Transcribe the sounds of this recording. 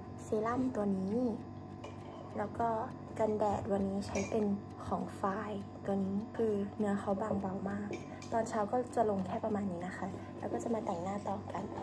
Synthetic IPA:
siː˨˦la˥˨mt̪u˧ɐniː˦˥ | lɛː˦˥wkɔː˥˩ | ka˧ndɛː˨˩t̪̚wa˧nːiː˦˥t͡ɕʰa˦˥jpe˧n | kʰɔː˨˩˦ŋfaː˧˩jt̪u˧əniː˦˥kʰɯː˧nɯ˦˥ɐxʰa˧˥wbaː˧ŋba˧˩wmaː˥˩k̚ | t̪ɔː˧nt͡ɕʰaː˦˧˥wkɔː˥˩t͡ɕa˧˩lo˧ŋkʰɛː˥˩pa˧maː˧nːiː˦˥na˧˥xʰa˥˩ | lɛː˦˥wkɔː˥˩t͡ɕa˨˧˩maː˧t̪ɛ˨˩ŋnaː˥˩t̪ɔː˧˩ka˨n

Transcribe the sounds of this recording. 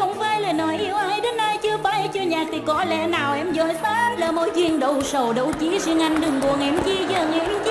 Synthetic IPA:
ə˧˦wŋ͡mvaː˧˩jlaː˨˩nɔ˨˦jʔi˧˦əwʔaː˧˩jɗe˨˦nːa˧jt͡ɕɨ˧əfaː˨˧˦jt͡ɕɨ˧əɲaː˨˩k̚t̪ʰi˨˩kɔ˨˦lɛ̰˧˥naː˨˩wʔɛ˧mzɔ˧˩˦jsaː˧˦˧nlaː˨˩mo̰˧˦jzwi˧˨əŋɗə˧˨˩wsə˨˩wɗə˧˩wt͡ɕi˨˦zi˧ŋa˧˩jŋ̟ɗɨ˨˩ŋku˨˩əŋ̚ʔɛ˧˩mt͡ɕi˧zəː˧˩ŋɛ˧˦m˧˦

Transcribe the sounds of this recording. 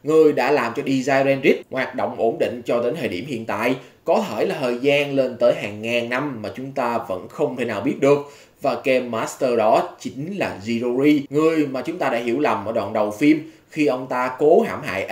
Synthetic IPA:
ŋɨ˨˩əjɗa̰ː˧˥laː˨˩mt͡ɕɔ˧ɗi˧zaː˧jzɛ˧nzi˦˥k̚ŋwaː˨˩t̚ɗo̰˧˨wŋ͡mʔo˨˦nɗḭ̈˧˨ŋ̟t͡ɕɔ˧t̪eː˨˦nt̪ʰeː˨˩ɗi˧˩əmhḭ˧˨ənt̪a̰ː˧˨j | kɔ˨˦t̪ʰe˧˩laː˨˩t̪ʰəː˨˩jzaː˧nle˧nt̪əː˨˦jɦaː˨˩ŋːaː˨˩ŋna˧mːaː˨˩t͡ɕʊ˨˦ŋ͡mt̪aː˧və̰˧˥nxə˧wŋ͡mt̪ʰe˧˩naː˨˩wɓi˦˥ət̚ɗɨ˨˩ək̚ | vaː˨˩kɛ˧mːaː˨˦˥st̪əː˧ɗɔ˨˦t͡ɕï˨˦ŋ̟laː˨˩zi˧zo˧zi˧ŋɨ˨˩əjmaː˨˩t͡ɕʊ˨˦ŋ͡mt̪aː˧ɗa̰ː˧˥ɦḭ˧˩əwla˨˩mʔə̰ː˧˩ɗw̰nɗə˨˩wfi˧əm | xi˧ʔə˧wŋ͡mt̪aː˧ko˨˦ɦaː˧˩mɦa̰ː˧˨jʔ

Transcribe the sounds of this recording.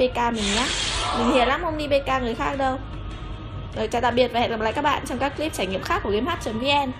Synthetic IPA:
e˧kaː˧mï˨˩ŋ̟ɲaː˨˦˥mï˨˩ŋ̟hi˧˩əlaː˨˦mho˧wŋ͡mɗi˧ɓe˧kaː˧ŋɨ˨˩əjxaː˦˥k̚ɗə˧w | zo˨˩jt͡ɕɔː˧˩t̪a̰ː˧˨ɓi˨˩ət̚va˨˩hɛ̰˧˨a˨˩pla̰ː˧˨jkaː˦˥ɓa̰ː˧˨nt͡ɕɔ˧wŋ͡mkaː˦˥kːli˦˥p̚t͡ɕaː˧˩jŋḭ˧˨mxaː˦˥kːu˧˩kmhaː˦˥t̚t͡ɕə˨˩˦nvi˨˦ʔɛ˧n

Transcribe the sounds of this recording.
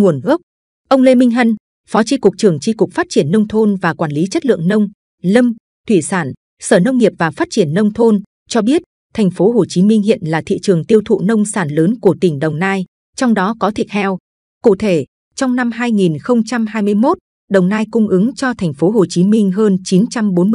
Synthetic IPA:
ŋu˨˩ənʔɨ˦˥k͡p̚ | ʔə˧wŋ͡mle˧mï˧ŋ̟ɦə˧n | fɔ˨˦t͡ɕi˧kʊ˨˩k͡p̚t͡ɕɨ˨˩əŋt͡ɕi˧kʊ˨˩k͡p̚faː˦˥t̚t͡ɕi˧˩ənːə˧wŋ͡mt̪ʰo˧nvaː˨˩kwaː˧˩nli˨˦t͡ɕə˦˥t̚lɨ̰˧˨əŋnə˧wŋ͡m | lə˧m | t̪ʰwi˧˩saː˧˩n | səː˧˩nə˧wŋ͡mŋi˨˩əp̚vaː˨˩faː˦˥t̚t͡ɕi˧˩ənːə˧wŋ͡mt̪ʰo˧n | t͡ɕɔ˧ɓi˦˥ət̚ | t̪ʰɛ˨˩jŋ̟fo˨˦ɦo˨˩t͡ɕi˨˦mï˧ŋ̟hḭ˧˨ənlaː˨˩t̪ʰḭ˧˨t͡ɕɨ˨˩əŋt̪i˧əwt̪ʰṵ˧˨nə˧wŋ͡msaː˧˩nləː˨˦nku˧˩ət̪ï˧˩ŋ̟ɗə˨˩wŋ͡mnaː˧j | t͡ɕɔ˧wŋ͡mɗɔ˨˦kɔ˨˦t̪ʰi˨˩ət̚tʰɛ˧w | kṵ˧˨t̪ʰe˧˩ | t͡ɕɔ˧wŋ͡mna˧mɦaː˧jŋi˨˩nxə˧wŋ͡mt͡ɕa˧mɦaː˧jmɨ˧əjmo˦˥t̚ | ɗə˨˩wŋ͡mnaː˧jkʊ˧ŋ͡mʔɨ˨˦ŋt͡ɕɔ˧t̪ʰɛ˨˩ŋ̟fo˨˦ɦo˨˩t͡ɕi˨˦mï˧ŋ̟ɦəː˧nt͡ɕi˨˦nt͡ɕa˧mɓo˨˦nm˧

